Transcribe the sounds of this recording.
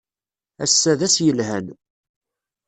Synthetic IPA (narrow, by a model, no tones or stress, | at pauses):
æ̰sːæðæsjəlɦæn